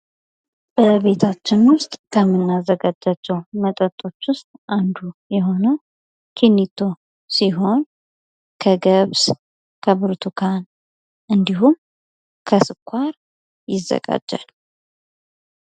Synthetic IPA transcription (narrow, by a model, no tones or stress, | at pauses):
b̥əβe̞t̪ʰat͡ʃːɪnwʊst̪ʼkʰəmːɨnːazːəɡad͡ʒːat͡ʃːɛwmət̪ʼət̪ʼːo̞t͡ʃːwʊst̪ʼʔand̪ujɛɦo̞nəw | kʰenːit̪ʰːo̞ | siɦo̞n | kʰəɡəβs | kʰəbɨɾt̪ʰukʰan | ʔɨnd̪iɦum | kʰəsɨkʷʰːaɾ | jɪzːə̰ɡa̰d͡ʒːa̰l